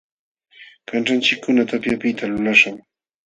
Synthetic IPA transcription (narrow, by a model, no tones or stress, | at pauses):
kanʈ͡ʂant͡ʃɪkːʊnat̪apjapɪt̪alʊlaʃʊŋ